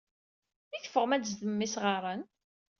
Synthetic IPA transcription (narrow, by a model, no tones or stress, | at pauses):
iθə̥fəʁmæds̬ðəmːisʁɑɾˤən